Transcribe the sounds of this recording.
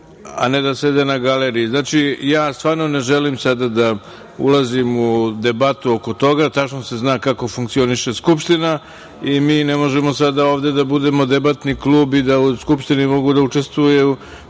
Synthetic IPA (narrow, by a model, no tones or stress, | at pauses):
a̰ne̞d̪ase̞d̪enaɡaleɾijiznaːt͡ʃijaːst̪ʋaːɾnone̞ʒe̞limsad̪ad̪a | ṵlˠazimud̪e̞bat̪uoko̞t̪o̞ɡat̪at͡ʃnose̞znaːkako̞fuŋkt̪sio̞niʃe̞skupʃt̪ina | imiːnemo̞ʒemosad̪aoːʋd̪e̞d̪abud̪e̞mo̞d̪e̞bat̪niklˠuːbid̪auskupʃt̪inimo̞ɡud̪aut͡ʂe̞st̪ʋuju